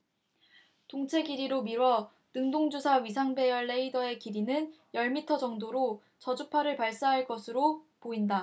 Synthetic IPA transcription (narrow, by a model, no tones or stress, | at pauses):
toŋt͡ɕʰe̞ɡiɾiɾomiɾwʌ | nɯŋdoŋd͡ʑusʰaɥis̬ʰaŋbe̞jʌɭːeidʌe̞kiɾinɯn | jʌɭmitʰʌd͡ʑʌŋdoɾo | t͡ɕʌd͡ʑupʰaɾɯɭpaɭs͈aɦaɭk͈ʌsʰɯɾopoinda